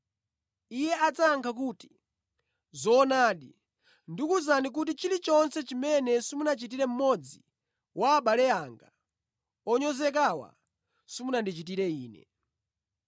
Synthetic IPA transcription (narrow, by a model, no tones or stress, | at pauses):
ijɛat͡saŋkʰak̬uːti̥ | zɔːnaːɗi | ndikuzanik̬ut̬it͡ʃilit͡ʃɔnsɛt͡ʃimɛnɛsimunat͡ʃit̬iɾɛm̩mɔd͡zi | waːɓalɛaŋɡa | ɔɲɔzɛk̬awa̰ | simunandit͡ʃit̬iɾɛiːnɛ̰